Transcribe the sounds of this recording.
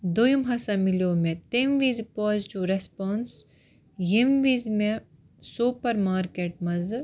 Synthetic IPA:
d̪ujumɦɐsamiljoːmẽt̪emʋiːzpoːzʈuɾespaːns | jimʋiːzmẽ | suːpɐɾmaːɾkeːʈ̚mɐz

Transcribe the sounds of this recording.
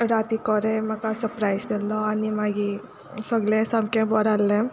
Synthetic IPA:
ɾaːt̪ikɔɾemɐkasɐɾpɾajsd̪ɛlːɔɐnːimaːɡi | sɔɡlesɐmkebɔɾalːe

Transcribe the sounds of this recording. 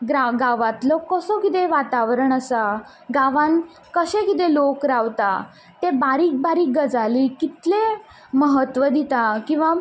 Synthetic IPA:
ɡɾaɡaʋãt̪lɔkəsɔkit̪̬eʋat̪aʋɾəɳəsa | ɡaʋãn | kəɕẽkit̪̬elokɾaʋt̪a̰ | t̪ebaɾiːk̚baɾiːk̚ɡəd͡zalikit̪le | məɦət̪ʋəd̪it̪akĩw̃ʋa

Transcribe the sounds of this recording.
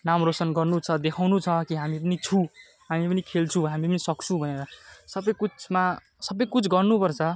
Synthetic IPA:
namrosʌnɡʌrnut͡sʰʌd̪ekʰawnut͡sʰʌkiɦamip̬ʌnit͡sʰũ | ɦamipʌnikʰelt͡sʰũɦamipʌnisʌkt͡sʰũbʱʌneɾʌsʌbʌjkut͡sma | sʌbʌjkut͡sʰɡʌrnupʌrt͡sʰʌ

